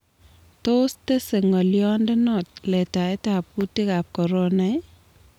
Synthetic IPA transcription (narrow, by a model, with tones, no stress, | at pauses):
to˦ste˦se˨ŋo˨ljɔ˦nde˦nɔ˨t̚lɛ˨ta˨e˦ta˨p̚ku˦ti˦ka˨p̚kɔ˨ɾona˦j